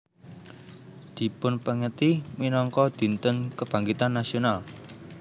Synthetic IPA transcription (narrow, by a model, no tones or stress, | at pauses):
d̪̥i̤pʊnpəŋət̪iminɔŋkɔd̪̥i̤nt̪ənkəb̥ä̤ŋɡit̪anːasional